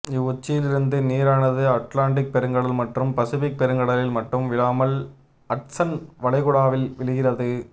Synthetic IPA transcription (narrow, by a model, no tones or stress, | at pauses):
ɪʊt͡ʃːɪjɪlɪɾɯnd̪ɯniːɾaːnɐðɯɐʈlaːɳʈɪk̚pɛɾɯŋɡɐɽɐlmɐʈrɯmpɐsɪfɪk̚pɛɾɯŋɡɐɽɐlɪlmɐʈːrɯmʋɪɭaːmɐl | ɐʈsɐnʋɐɭɐɪɣʊɽaːʋɪlʋɪɭɯɣɪrɐðɯ